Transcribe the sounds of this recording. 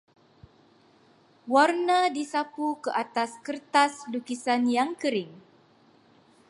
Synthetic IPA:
warnãdisapukəʔat̪askərt̪aslukisanjaŋkəɾɪŋ

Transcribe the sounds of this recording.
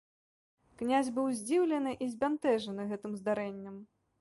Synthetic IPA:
knʲazʲbɨwzʲd͡zʲiwlʲɐnɨʔizʲbʲant̪ɛʐɐnɨɣɛt̪ɨmzd̪aɾɛnʲːɐm

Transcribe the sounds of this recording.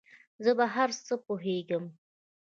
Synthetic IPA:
zəbaɦaɾsəpoɦeɡəm

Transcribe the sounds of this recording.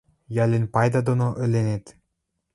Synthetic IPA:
jɑlʲenʲpɑjd̪ɑd̪onoʔɘ̆lʲenet̪

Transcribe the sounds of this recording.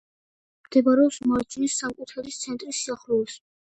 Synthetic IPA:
md̪̥ɛbaɾɛɔpsmat͡ʃʰinisːamkʼut̪ʰaɾit̪sʰɛnt̪ʼɾisiaχɾuɛs

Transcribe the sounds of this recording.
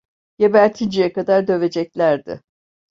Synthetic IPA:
j̥ebæɾt̪ʰind͡ʒijɛkad̪aɾd̪ø̞ve̞d͡ʒɛclʲæɾd̪ɪ̰

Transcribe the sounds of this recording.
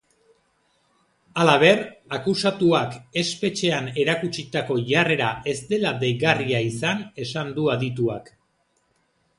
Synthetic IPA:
alaβ̞e̞rakusat̪uake̞spe̞t͡ʃe̞ane̞ɾakut͡ʃit̪ako̞ʝare̞ɾaʔe̞st̪e̞lad̪ejɣariaisane̞sand̪uaðit̪̬uak

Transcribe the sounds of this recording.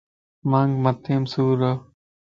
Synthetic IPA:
mãːŋɡmət̪ʰeːmsuːɾoː

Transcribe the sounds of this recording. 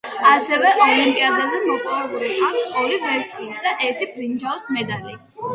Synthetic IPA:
asɛvɛʔɔlimpʼiad̪azɛmɔpʼɔvɛbulikʼaksʼqʼɔlivɛɾt̪sʼχʼlisd̪aʔɛɾt̪ʰibɾind͡ʒaɔsmɛd̪ali

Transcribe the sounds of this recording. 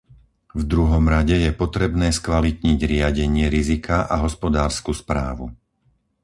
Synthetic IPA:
vd̪ɾuɦɔmɾaɟɛjɛpɔt̪ɾɛbnɛːskʋalit̪ɲiɟɾɪaɟɛɲɪɛɾizikaʔaɦɔspɔd̪aːɾskuspɾa̰ːʋṵ

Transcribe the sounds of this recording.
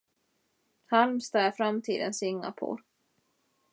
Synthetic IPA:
halmst̪ɑːafɾamt̪ʰḭːd̪ənsʏŋːa̰pʰo̰ː

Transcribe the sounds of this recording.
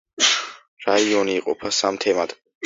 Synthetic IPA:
ɾaiɔniːqʼɔ̰pʰasamt̪ʰɛmad̪̥

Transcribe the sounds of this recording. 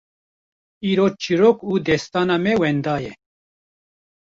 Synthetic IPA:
iːɾoːt͡ʃʰiɾokuːd̪ɛst̪aːnamɛwɛnd̪aːjɛ

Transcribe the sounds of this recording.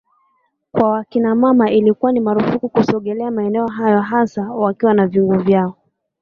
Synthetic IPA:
kwawakinamamaʔilikuwanimaɾufukukusɔɠɛlɛamaɛnɛɔɦajɔɦasawakiwanavjuŋɡuvjaɔ

